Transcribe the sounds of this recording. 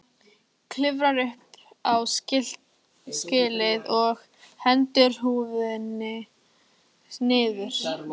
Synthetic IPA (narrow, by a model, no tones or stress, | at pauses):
kʰlɪvɾaɾʏhp | awɪl̥ | scɪːlɪðɔɣ | hɛnt̪ʏɾ̥huːvnːɪ | nɪːðʏɾ̥